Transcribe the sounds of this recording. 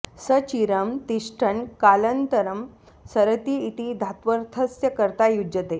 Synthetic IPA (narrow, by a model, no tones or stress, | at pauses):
sət͡ɕiɾəmt̪iʂʈʰəɳkalənt̪əɾəm | səɾət̪iit̪id̪ʱat̪ʋəɾt̪ʰəsjəkəɾt̪ajud͡ʑət̪e